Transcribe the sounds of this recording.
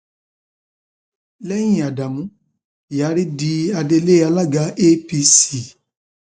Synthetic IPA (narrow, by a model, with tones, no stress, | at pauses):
lɛ˦j̃ĩ˦˨a˨da˨mũ˨˦ | ja˨˦ɾi˦di˧˦a˧de˧le˦a˧la˦ɡa˨˦ʔe˦pi˧si˨